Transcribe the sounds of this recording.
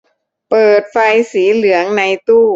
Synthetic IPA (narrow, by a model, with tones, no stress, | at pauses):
pɤː˨˩t̪̚fa˧jsiː˩˦lɯ˩˦əŋna˧jt̪uː˥˩